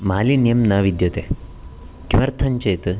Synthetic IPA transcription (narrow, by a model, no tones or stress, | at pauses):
maːlinjɐmnɐʋid̪jɐt̪e | kimɐɾt̪ʰɐɲt͡ʃeːt̪ɨ